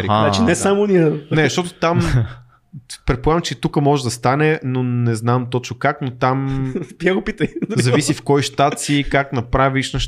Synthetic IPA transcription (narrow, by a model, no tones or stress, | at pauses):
at͡ʃɛnɛsamonʲiənɛʃt̪ɔt̪ot̪am | pɾɛt̪̚polavmt͡ʃɛt̪ukəmɔʒɛd̪ɐst̪anɛnonɛznamt̪ɔt͡ʃnokaknot̪amb̥jaɡopit̪əjzɐvisifkɔjʃt̪at̪sikaknɐpɾaviʃnɐʃ